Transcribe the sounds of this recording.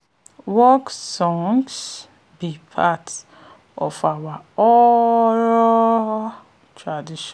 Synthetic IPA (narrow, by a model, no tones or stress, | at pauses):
wɔksɔ̃ŋs | bipʰat | ɔfawaɔɹɔ | tʰɹadiʃɔ̃